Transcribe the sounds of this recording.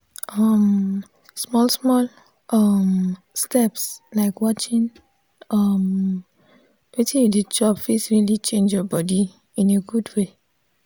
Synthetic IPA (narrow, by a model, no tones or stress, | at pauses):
ʔʌm | smɔlsmɔl | ʔʌm | stɛpslaɪkwɔt͡ʃĩn | ʌm | wetĩjuded͡ʒɔpfesɹilit͡ʃẽnd͡ʒjɔbɔdi | ĩneɡudwe